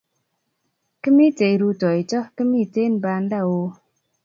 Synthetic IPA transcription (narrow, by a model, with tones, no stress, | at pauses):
kə˦mi˦te˨jɾu˧tɔ˨i˨t͡ʃɔ˦kə˦mi˦˨te˦˨nba˧n˦da˦˨wo˧